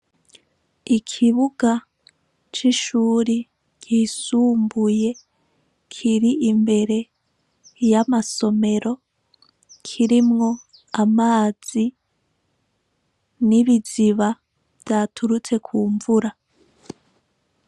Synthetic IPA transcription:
ikʰiβuɡa | t͡ʃiʃuːɾi | kisuːmbuje̞ | kʰiɾiʔimbe̞ɾe̞ | jamaso̞me̞ɾo̞ | kʰiɾimŋo̞ | amaːz̥i | niβiziβa | vjatʰuɾut͡se̞kʰuːɱvuɾa

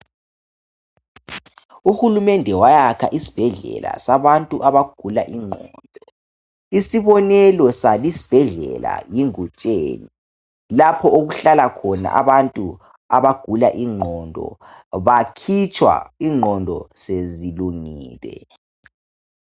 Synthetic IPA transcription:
uxulumɛndʱɛwajakʰaʔisi̥b̥ʱɛɮɛ̰la̰saβantʼuʔaβaɡ̥ʱulaʔiŋ͡ǃʱɔnd̥ʱɔ | isiβɔnɛlɔsalisi̥b̥ʱɛɮɛ̰la̰jiŋut͡ʃʼeːni | lapʰɔoɣuɬalakʰɔna̰ʔa̰βantʼu | aβaɡ̥ʱulaʔiŋ͡ǃʱɔndʱɔ̰ | βakʰit͡ʃʰʼwa̰iŋ͡ǃʱɔndʱɔseziluŋiːlɛ̰

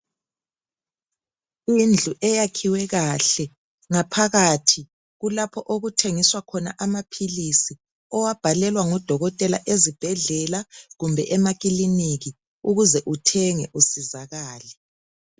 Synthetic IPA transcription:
ind͡ɮʱuʔɛjakʰiwɛɣaɬɛ | ŋapʰaɣatʰi | ɣulapʰɔʔoɣutʰeŋiswakʰɔna̰ʔamapʰilisi | ɔwab̥ʱalɛlwaŋɔd̥ʱɔɣɔtʼɛlaʔezib̥ʱɛɮɛlaɣumbʱɛʔɛmak̬ʼiliniɣi | uɣuzɛʔutʰɛŋɛ̰ʔusizaɣaːlɛ

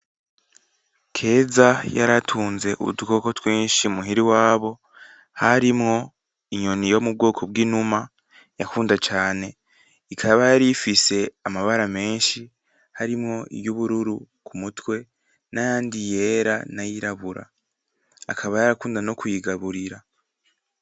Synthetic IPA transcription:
kʰe̞ːzajaɾatʰuːnze̞ʔṵṵduko̞ko̞twiːnʃiumuɦiɾiwaːβo̞ | haɾimŋo̞ | iɲo̞nijo̞mub̚ɡo̞ːkʰo̞bɡiːnuma | jakuːndat͡ʃaːne̞ | ikʰaβajaɾifise̞amaβaɾame̞ːnʃi | haɾimŋo̞ḭβjuβuɾuɾu | kʰumutwe̞ | najaːndije̞ːɾanajiɾaβuɾa̰ː | kʰaβajaɾakuːndano̞kwiɡaβuɾiɾa

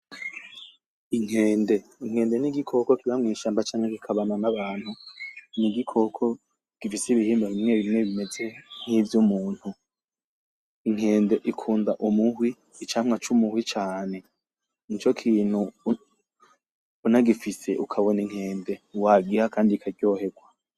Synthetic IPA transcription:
iŋ̥heːnde̞iŋ̥he̞ːnde̞niɡikʰo̞ko̞kiβamŋiːʃaːmbat͡ʃaːŋhekikʰaβananaβaːn̥huniɡikʰo̞kʰo̞ | ɡ̥ifisiβihiːmbaβimŋe̞βimŋe̞βime̞ze̞n̥hivjumuːn̥hu | iŋ̥e̞ːnde̞ʔikʰuːndaʔumuhwiː | t͡ʃaːmŋat͡ʃumuhwit͡ʃaːne̞ | nit͡ʃo̞kʰiːn̥hu | naɡifise̞ʔukʰaβoniŋ̥he̞ːnde̞uwaɡihakʰaːndikʰaɡjo̞ːhe̞ɡwa

